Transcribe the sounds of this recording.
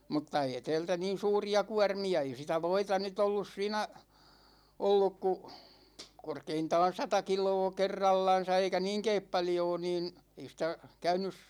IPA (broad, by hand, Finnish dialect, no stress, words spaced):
mutːɑ eː tɛːltæ niːn̞ suːriɑ kuɑrmiɑ ei sitæ ʋoitɑ nyt olːus siːnæ olːuk ku korkeintɑːn̞ sɑtɑ kilˑoː kerːɑlːɑn̞sɑ eikæ niːŋkeːp pɑljoː niːn ei sĭtæ kæynys